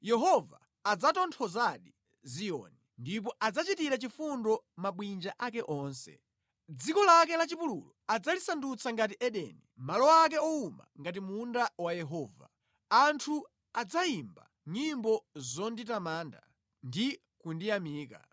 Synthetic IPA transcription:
jɛɦɔva̰ː | d͡zatɔntʰɔzaɗi | zijɔ̰ːnindip̬ɔʔad͡zat͡ʃitiɾat͡ʃifundɔmaɓwind͡ʒaʔakɛʔɔːnsɛ̰ | d͡zikɔlakɛlat͡ʃipulṵlɔad͡zalisandut͡sʰaŋɡatiʔɛɗɛ̰ːnimalɔak̬ɛɔuma̰ŋɡat̬imundawajɛɦɔːva̰ | antʰu | ad͡zaimba̰ | ɲimbɔzɔnditamaːnda̰ | ndi | kundijamiːka̰

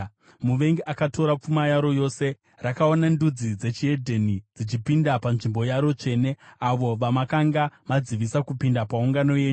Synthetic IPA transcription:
muʋe̞ŋɡeʔakato̞ɾap͡fumajaɾo̞jo̞ːse̞ | rakao̞nandud͡zid͡ze̞t͡ʃie̞dʱe̞nid͡zit͡ʃipindapanʐimbo̞jaɾo̞t͡ʂe̞ne̞aʋo̞ʋamakaŋɡamad͡ziʋisakupindapauŋɡano̞je̞ːɲu

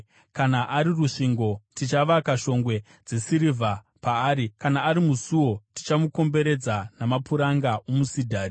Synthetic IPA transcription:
kanaʔaɾiruʂiŋɡo̞tit͡ʃaʋakaʃo̞ŋɡwe̞ | d͡ze̞siɾivʱa | paːɾikanaːɾimusuo̞ti̥t͡ʃamuko̞mbe̞ɾe̞d͡zanamapuɾaŋɡaʔomusidʱaːri

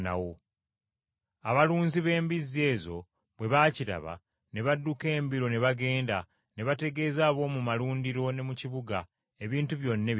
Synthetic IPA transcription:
na̰wo | aβaluːnziβe̞ːmbizːe̞ːzo̞̰ | βwe̞βaːciɾa̰βa̰ | ne̞βadːuke̞ːmbiɾo̞ne̞βaɡe̞ːnda | ne̞βate̞ɡe̞ːzaːβo̞ːmumaluːndiɾo̞ne̞muciβuɡa | e̞βiːntuβjo̞nːe̞

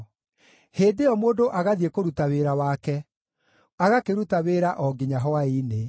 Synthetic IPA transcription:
heːndeɔmoːdoʔaɣaðiekoɾutaweːɾawaːkɛ | aɣakeɾutaweːɾaʔɔɡiɲaɦɔaine

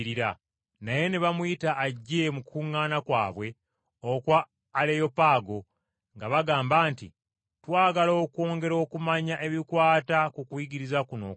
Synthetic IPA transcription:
ɾiɾa | naje̞neβamwjitaʔːɟːe̞mukʰuŋːaːnakwa̰ːβwe̞ | okwaː | lejo̞paːɡo̞ | ŋɡaβaɡaːmbaːntḭ | twaːɡalo̞ːkwo̞ːŋɡe̞ɾo̞ːkumaɲaʔe̞βikwaːtakukujiɡiɾizakuno̰ː

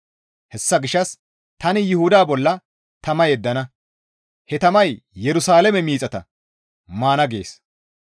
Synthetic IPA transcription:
hɛsːɐɡɪʃɐs | t̪ɐnɪjɪhʊd̪aːbɔlːɐ | t̪ɐmɐjɛd̪ːɐnɐ | hɛt̪ɐmɐjjɛɾʊsaːlɛmɛmiːt͡sʼɐt̪ɐ | maːnɐɡe̞̰ːs

